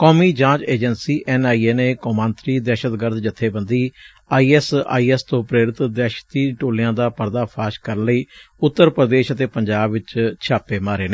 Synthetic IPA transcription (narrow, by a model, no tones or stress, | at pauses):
kɔːmiːd͡ʒãːt͡ʃeːd͡ʒənsiːʔɛːnaːiːeːneːkoːmãːnt̪ɾiːd̪ɛːʃət̪ɡəɾd̪d͡ʒət̪ʰːeːbənd̪iː | aːiːɛːsa̰ːiːɛst̪õːpɾeːɾɪt̪d̪ɛːʃt̪iːʈoːlɪjãːd̪aːpəɾd̪aːpʰaːʃkəɾənləiːʊt̪ːəɾpɾəd̪eːʃət̪eːpəɲd͡ʒaːbʋɪt͡ʃt͡ʃʰaːpeːmaːɾeːneː